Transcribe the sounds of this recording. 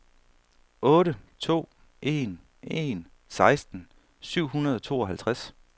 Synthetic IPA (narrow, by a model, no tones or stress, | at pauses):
ɔ̽ːɾət͡sʰo̝̰ː | ʔe̝n | e̝n | sɑ̈ɪsd̥n̩ | syʊ̰ɦunɐðˠɒt͡sʰo̝̰ːɒ̽ɦælt͡sʰʁas